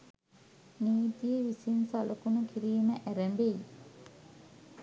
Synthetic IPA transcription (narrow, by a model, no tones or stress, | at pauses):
niːt̪ijəʋisinsaləkunukiɾiːməʔæɾæmbeji